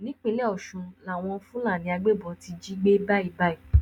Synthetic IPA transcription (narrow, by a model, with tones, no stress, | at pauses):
nĩ˨˦k͡pĩ˧˦lɛ˦ɔ˨ʃũ˧la˨w̃ɔ̃˧fũ˦la˦˨nĩ˧˦a˧ɡ͡be˦˨bɔ˧˦ti˧d͡ʒi˦ɡ͡be˦ba˦i˧˨ba˦i˨